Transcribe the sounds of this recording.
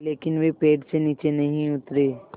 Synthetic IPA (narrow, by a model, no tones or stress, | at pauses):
leːkɪnʋepeːʈseniːt͡ʃenɐɦĩʊt̪ɾeː